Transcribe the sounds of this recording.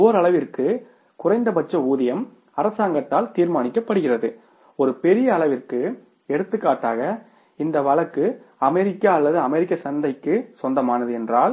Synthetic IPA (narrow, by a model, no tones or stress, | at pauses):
oːɾɐɭɐʋɪrkɯ | kʊrɐɪnd̪ɐpɐt͡ʃːɐuːðɐjɐm | ɐɾɐsaːŋɡɐt̪ːaːlt̪iːɾmaːnɪkːɐpːɐɽɯɣɪrɐðɯ | ɔɾɯpɛɾɪjɐːɭɐʋɪrkɯ | ɛɽɯt̪ːɯkːaːʈːaːɣɐ | ɪnd̪ɐʋɐɭɐkːɯ | ɐmɛɾɪkːaːɐlːɐðɯɐmɛɾɪkːɐsɐnd̪ɐɪkːɯsɔnd̪ɐmaːnɐðɯɛndraːl